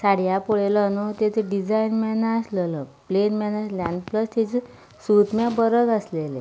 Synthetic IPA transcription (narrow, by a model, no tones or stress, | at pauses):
saɽijapoɭelɔnut̪et̪eɖid͡zainmɛnaslələplenmɛnalaɳpləst̪et͡se | sut̪mjabəɾəɡəslele